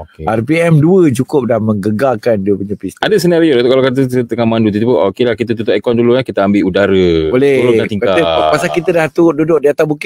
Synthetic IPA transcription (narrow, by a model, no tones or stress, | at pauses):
okearpiɛmduəd͡ʒukʊp̚dahmə̃ŋɡəɡakanduəpəɲəpisadas̬ənaɾiodat̪ukalakat̪̬ət̪əŋamãndut̪̬it̪upuʔokelahkit̪at̪̬ut̪ʊʔɛkɔnduluɲakit̪aambɪʔudaɾəbolɛlãt̪iŋakaəpasalkit̪ədaht̪ududʊʔ̚diat̪abuk